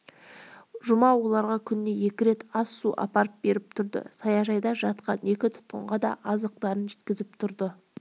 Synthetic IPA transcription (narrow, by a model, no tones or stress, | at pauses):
ʒʊmɑwo̞lˠɑɾʁɑkʲʰʏnːe̞je̞kʲɪɾe̞t̪ɑsːuʔɑ̰pɑɾəp̚be̞ɾɪpt̪ʰʊɾd̪ə̰sɑjɑʒɑjd̪ɑʒɑt̪qɑne̞kʲɪt̪ʰʊ̥t̪̚qəɴʁɑd̪ɑ̰ʔɑzəq̚t̪ɑɾənʒe̞t̪kʲɪzɪpt̪ʰʊɾd̪ə